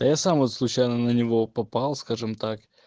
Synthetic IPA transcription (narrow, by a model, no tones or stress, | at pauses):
əjasamvot̪slˠʊt͡ɕajnənənʲɪvo̞pɐpalˠskaʐɨmt̪ak